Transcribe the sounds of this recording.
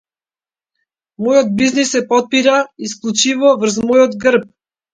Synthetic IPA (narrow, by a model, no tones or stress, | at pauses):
mɔjɔd̪̚biznisːɛpɔt̪̚piɾaisklˠut͡ʃivɔvr̩zmɔjɔd̪ɡrp̚